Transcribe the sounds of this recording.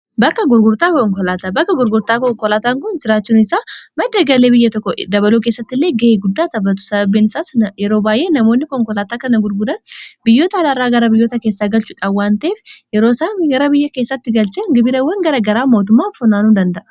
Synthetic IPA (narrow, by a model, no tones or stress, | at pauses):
bɐkːɐɡʊɾɡʊɾt̪aːkɔŋkɔlaːt̪aːbɐkːɐɡʊɾɡʊɾt̪aːkɔŋkɔlaːt̪aːŋkʊnd͡ʒɪɾaːt͡ʃːuːnɪsaːmɐd̪ːɐɡɐleːbɪjːɐt̪ɔkːɔd̪ɐβɐluːke̞ːsːɐt̪ːɪlːe̞ːɡɐeɡʊd̪ːaːt̪ɐbːɐt̪̬ʊ̥sɐbɐbːeːnɪsaːsjɛɾo̞ːbaːjʔe̞ːnɐmoːnːɪkɔŋkɔlaːt̪aːkɐnɐɡʊɾɡʊd̪ɐnbɪjːo̞ːt̪ɐːlaɾːaːɡɐɾɐbɪjːo̞ːt̪ɐkeːsːaːɡɐlt͡ʃʊᶑɐwːaːnt̪ɐeːfjɛɾoːsaːnɡɐɾɐbɪjːɐkeːsːɐt̪ːɪɡɐlt͡ʃɐŋɡɪbɪɾɐwːɐŋɡɐɾɐɡɐɾaːmoːt̪̬ʊmːaːfɔnaːnuːd̪ɐnd̪ɐʔɐ̥